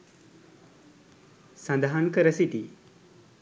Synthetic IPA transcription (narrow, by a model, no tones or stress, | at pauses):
sɐ̃nd̪aɦankəɾəsit̪i